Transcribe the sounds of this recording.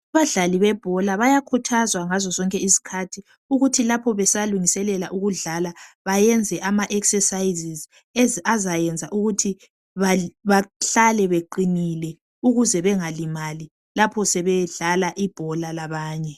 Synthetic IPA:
aβaɮaliβɛb̥ʱɔlaβajakʰutʰazwaŋazɔzɔŋkʼɛisi̥kʰatʰi | uɣutʰilapʰɔβɛsaluŋisɛlɛlaʔuɣuɮalaβajɛnd͡zʱɛʔamaʔɛksɛsaiziz | ɛzazajɛnd͡zʱaʔuɣutʰi | βaβaɬalɛβeǃinilɛ | uɣuzɛβɛŋalimali | lapʰɔsɛβɛɮalaʔib̥ʱɔlalaβaːɲɛ

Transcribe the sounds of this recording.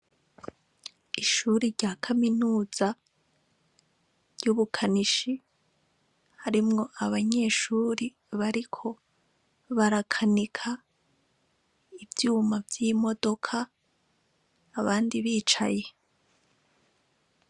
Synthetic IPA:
iʃuɾiɾɟaːkʰaminuːz̥a | vɟuβukʰaniʃi | haɾimŋo̞ʔaβaɲe̞ʃuːɾi | βaɾikʰo̞ | βaɾakʰanikʰa | ivjuːmavjiːmo̞do̞kʰa | βaːndiβiːt͡ʃaje̞

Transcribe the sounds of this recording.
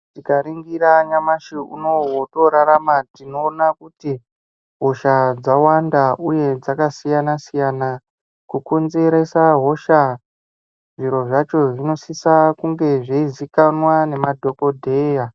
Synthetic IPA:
tikaɾiŋɡiɾaɲamaʃiṵnowoto̞ɾaɾamatinoːnakuti | ɦo̞ʃad͡zawandaʔuje̞d͡zakasijanasijana | kukonze̞ɾe̞saɦo̞ʃa | ʐiɾo̞ʐat͡ʃo̞ʐino̞sisakuŋɡe̞ʐeizikanwane̞madʱo̞ko̞dʱe̞ːja

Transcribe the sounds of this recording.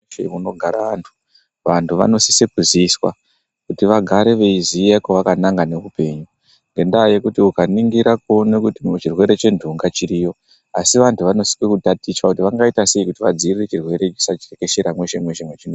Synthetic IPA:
ḛuno̞ɡʱaɾaʋantʰu̥ | ʋantʰuʋa̰no̞sisekuziswa̰ | kutiʋaɡʱaɾe̞ʋe̞izijekoʋakanaŋɡane̞ʋupe̞ɲu | ŋɡe̞ndaje̞kutiukaniŋɡiɾak̚onekutit͡ʃirwe̞ɾe̞t͡ʃe̞ndʱuŋɡat͡ʃiɾijo̞ | asiʋantʰuʋano̞si̥kekutatiswakutiʋaŋɡaitase̞ikutiʋad͡ziriret͡ʃirwe̞ɾe̞t͡ʃi̥sat͡ʃirekeʃeɾamwe̞ʃe̞mwe̞ʃe̞mwe̞t͡ʃino

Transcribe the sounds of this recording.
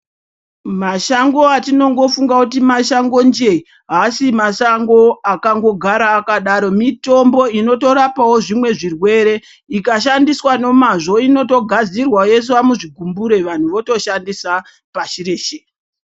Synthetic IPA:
maʃaŋɡo̞atino̞ŋɡo̞fuŋɡakut̬imaʃaŋɡo̞nd͡ʒei | ɦasimasaŋɡo̞akaŋɡo̞ɡʱaɾaːkaɗaɾo̞mito̞mbo̞ino̞to̞ɾapawo̞ʐimwe̞ʐirwe̞ɾe̞ | ikaʃandiswano̞maʐo̞ino̞to̞ɡʱad͡zirwaje̞s̬wamuʐiɡʱumbuɾe̞ʋan̤uʋo̞to̞ʃandisa | paʃire̞ːʃe

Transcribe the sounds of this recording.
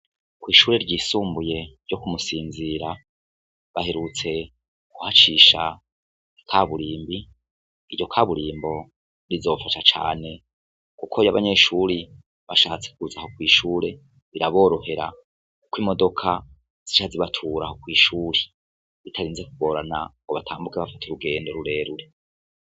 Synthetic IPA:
kwiːʃuːɾe̞ɾɟiːsuːmbuje̞ɾɟo̞kumusiːnziɾa | βaheɾut͡se̞ | ɡ̥uhat͡ʃiːʃa̰ | ikʰaβuɾiːmbi | iɾɟo̞kʰaːβuɾiːmbo̞ | ɾizo̞ːfaʃat͡ʃa̰ːne̞ | kukʰo̞jaβaɲe̞ʃuːɾi | βaʃaːt͡se̞̥kuzaho̞kwiːʃuːɾe̞ | βiɾaβo̞ːɾo̞he̞ɾa̰ | ukwimo̞do̞kʰa | z̥iʃaziβatʰuɾahokwiːʃuːɾe | ɾitʰaɾiːnzekuɡo̞ɾana̰ŋɡoβatʰaːmbukeβafatʰuɾuɡe̞ːndo̞ɾuɾe̞ːɾuɾe̞

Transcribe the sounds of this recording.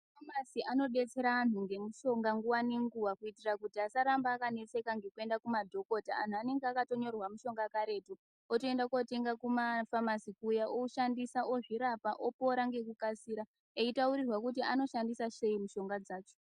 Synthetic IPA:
famasiʔano̞ɓe̞t͡se̞ɾaːn̤uŋɡe̞muʃo̞ŋɡaŋɡuwaneŋɡuwakuitirakutiasaɾambaːkane̞t͡se̞kaŋɡe̞kue̞ndakumadʱo̞ko̞taan̤uane̞ŋɡeakato̞ɲo̞rwamuʃo̞ŋɡakaɾe̞tu | otoe̞ndakote̞ŋɡakumafamasikujaʔouʃandisaʔo̞ʐiɾapaʔo̞po̞ɾaŋɡe̞kukasiːɾa | eitauɾirwakut̬iano̞ʃandisase̞imuʃo̞ŋɡad͡zaːt͡ʃo

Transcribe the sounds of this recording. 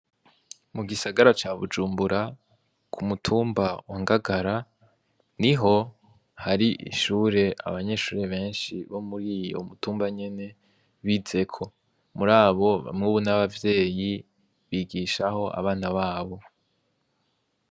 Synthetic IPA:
muɡisaɡaɾat͡ʃaβṵd͡ʒuːmbuɾa | kʰumutʰuːmbawaŋɡaɡaɾa | niɦo̞ | haɾiʔḭʃuːɾe̞a̰βaɲe̞ʃuːɾe̞βe̞ːnʃiβo̞muɾiːjo̰mutuːmbaɲe̞ne̞ | βize̞kʰo̞ | muɾaːβo̞βa̰mŋuːβunaβavje̞ːji | βiːɡiːʃaho̞ʔa̰βaːnaβaːβo̞

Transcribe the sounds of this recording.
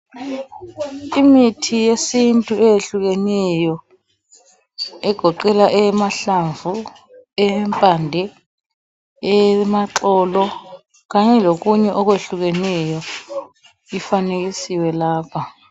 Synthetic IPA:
imitʰijesintʼuɛjeɬuɣ̬ɛnɛjɔ | ɛɡ̥ʱɔǃɛlaʔɛmaɬaɱvu | ɛmpʼandʱɛ | ɛmaǁɔːlɔ | ɣ̬aɲɛlok̬uɲɛʔɔk̬weɬuɣ̬ɛnɛjɔ | ifanek̬isiwɛlaːpʰa

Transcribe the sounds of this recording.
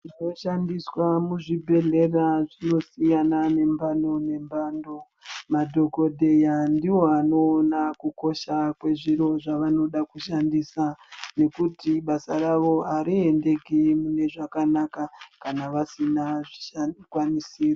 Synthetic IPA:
ino̞ʃandiswamuʐibʱe̞ɮe̞raʐino̞sijanane̞mbando̞ne̞mbando̞ | madʱo̞ko̞dʱe̞jandiwo̞ano̞ːnakuko̞ʃakwe̞ʐiɾo̞ʐaʋano̞ɗakuʃandisane̞kutiɓasaraʋo̞aɾiende̞ɡʱimune̞ʐakanakakanaʋasinaʐikwanisiːra

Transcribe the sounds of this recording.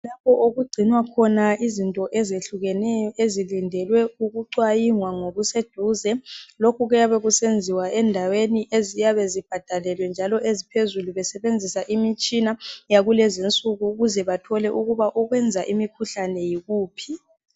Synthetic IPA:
lapʰɔʔoɣuɡ͡ǀʱinwakʰɔnaizintʼɔʔɛzeɬuɣɛnɛjɔʔezilindʱɛlwɛuɣuǀwajiŋwaŋoɣused̥ʱuːzɛlokʰuɣɛjaβeɣusend͡zʱiwaɛndʱaweniʔezijaβɛzib̥ʱad̥ʱalɛlwɛnd͡ʒʱalɔʔezipʰezuluβɛsɛβend͡zʱisaʔimit͡ʃʼinajaɣulɛzint͡sʼuɣuɣuzɛβatʰɔlɛʔuɣuβaʔɔɣwɛnd͡zʱaʔimikʰuɬanɛjiɣuːpʰi

